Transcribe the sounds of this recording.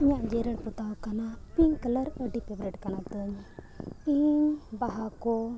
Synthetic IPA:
iɲaʔd͡ʒɛɾəɽpɔt̪awkanapiŋkələɾəɖipɛbɾɛʈkanat̪əɲ | ibaɦakɔ

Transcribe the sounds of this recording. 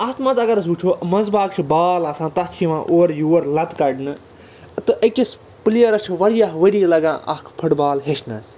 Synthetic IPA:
aːt̪maːt̪ɐɡɐɾɐs̬ut͡ʃʰoːmɐnzbaːkt͡ʃʰibaːlãːsãːt̪ɐt͡ʃʰiʋãːʔoːɾjuːɐɾlɐt̪kɐɖnɨ | t̪ɨʔɐkʲis | plijɐɾɐt͡ʃʰʋɐɾijaɦʋɐɽiːlɐɡã̰ːʔɐ̰kʰpʰɐʈbaːlɦeʃʰnɐs

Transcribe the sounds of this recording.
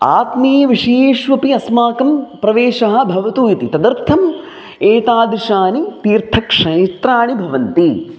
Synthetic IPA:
a̰ːt̪meːʋiʂɐejeːʃʋɐpiɐsmaːkɐmpɾɐʋeːʃɐɦɐ̆bʱɐʋɐt̪uːjit̪it̪ɐd̪ɐɾt̪ʰɐm | eːt̪aːd̪ɾiʃaːnit̪iːɾt̪ʰɐkʂɐjt̪ɾaːɳibʱɐʋɐnt̪i

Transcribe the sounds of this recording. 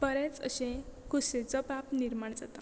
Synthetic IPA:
bəɾet͡sə̰ɕẽkuset͡sɔpapniɾmaɳd͡zat̪a

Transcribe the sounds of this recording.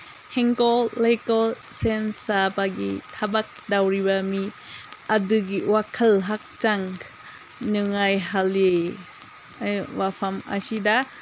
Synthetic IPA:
heŋkolejkalsensabaɡḭtʰabak̚dawɾibami | adɯɡiwakʰalɦak̚t͡ʃaŋ | nɯŋajɦalie | ajwapʰama̰sida

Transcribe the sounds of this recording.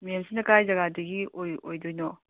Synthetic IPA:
mijemsʰinɐkajzaɡadɯɡiojojdojnɔ

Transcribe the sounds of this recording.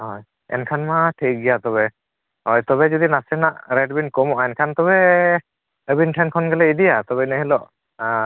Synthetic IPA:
hɔj | ɛ̰nkʰanmaʈʰik̚ɡɛjat̪ɔβɛ | ɦɔjt̪ɔbɛd͡ʒɔd̪inasɛnaʔɾɛɖbinkɔmɔʔaɛnkʰant̪ɔβɛ | əbinʈʰɛnkʰɔnɡɛlɛid̪ijat̪ɔbɛnəɦilɔʔ

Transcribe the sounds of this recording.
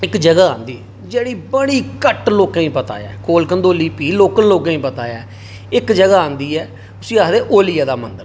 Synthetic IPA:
ɪkd͡ʒəɡaːã̰ːnd̪iː | d͡ʒeːɽiːbəɽiːkəʈloːkãːĩːpət̪a̰ːja̰ːkoːlkənd̪oːliːpiːloːkənloːkãːĩːpət̪aːjaː | ɪkd͡ʒəɡaːãːnd̪iːɛː | ʊsĩːaːd̪eːʔoːlɪjaːd̪aːmənd̪əɾ

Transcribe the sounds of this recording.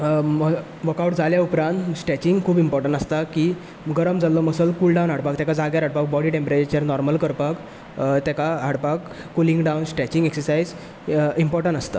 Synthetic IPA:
m | ʋəkawʈd͡zʱaljaupɾãnt̪sʈɛt͡ɕiŋɡkʰuːbimpɔɾʈəɳʈast̪akiː | ɡəɾəmd͡zalːɔməsəlkulɖawnɦaɽpak̚t̪ɛkad͡zaɡjaɾɦaɽpak̚bɔɽiʈẽmpɾet͡ɕəɾnɔɾməlkəɾpak | t̪ɛkaɦaɽpakː | ulĩŋɡɖawnsʈɛt͡ɕĩŋɡeksəɾsaid͡z | impɔɾʈəɳʈast̪a̰

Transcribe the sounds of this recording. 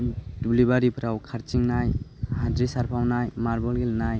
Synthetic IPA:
dublibaɾipʰɾawkʰaɾt͡ʃiŋnajhadɾisaɾpʰawnajmaɾbɔlɡelnaj

